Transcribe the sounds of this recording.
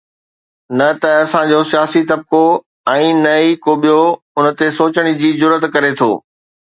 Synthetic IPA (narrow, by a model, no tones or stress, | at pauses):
nɐt̪ɐɐsãd͡ʑosijaːsit̪ɐb̚ko | ɛ̃ːnɐikoɓijo | ʊnə̆t̪esoːt͡ɕəɽ̃id͡ʑiːzʊɾət̪kɐɾet̪ʰo̰ː